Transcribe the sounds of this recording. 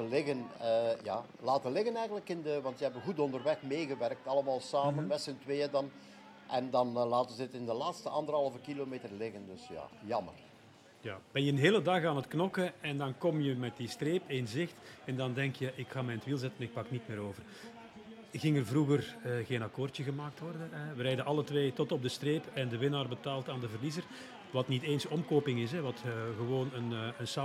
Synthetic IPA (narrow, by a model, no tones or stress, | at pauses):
əlɪɣənəja̰ː | laːtənlɪɣənɛjɣənləkɪndəʋɑntjəɦɛbəɣudɔndərʋɛxmeːɣəʋɛrk̚tɑləmaːlˠsaːmənmɛtsəntweːədɑn | ʔɛndɑnlaːtənzətɪndəlaːtstəʔɑndərɦɑlˠvəkilomeːtərlɪɣəndɵsja̰ːjɑmə̰r | jaːb̥ɛnjəənɦeːlədɑxaːnətknɔkəɛndɑnkɔmjəmɛt̚distreːpɪnzɪxtɛndɑndɛŋkjəʔɪkxaːmɛjntʋilˠzɛtənɪk̚pɑknitmeːɾoːvər | ɣɪŋərvruɣərəɣeːnakoːrtjəɣəmaːk̚tʋɔrdəɛʋəɾɛjdəʔɑlˠətʋeːtɔtɔb̚dəstreːpɛndəʋɪnaːrbətaːlˠtaːndəvərlizər | ʋɑtniteːnsɔmkoːpɪŋɪs̬ɛʋɑtːɣəʋoːnənːənsaː